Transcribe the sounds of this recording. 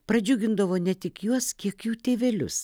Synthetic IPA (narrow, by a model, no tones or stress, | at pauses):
pɾɐd͡ʒʲʊɡʲɪnd̪ɐʋoːnʲɛt̪ʲɪkjuɔskʲiɛkjuːt̪ʲeːʋʲɛlʲʊ̰s